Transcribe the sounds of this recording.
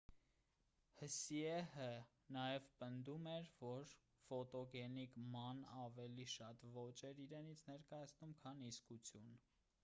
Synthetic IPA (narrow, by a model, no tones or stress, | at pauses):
həsiɛhə | nɑjɛvpənd̪umɛɾvɔɾ | fɔt̪ɔɡɛnikmɑnɑvɛliʃɑt̪vɔt͡ʃɛɾiɾɛnit͡sʰnɛɾkɑjɑt͡sʰnumkʰɑniskut͡sʰjun